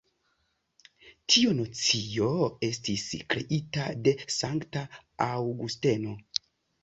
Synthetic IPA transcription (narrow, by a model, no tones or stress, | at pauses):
tʰionot͡sijo̞e̞stiskɾe̞̰ʔitade̞saŋktaawɡuste̞no̞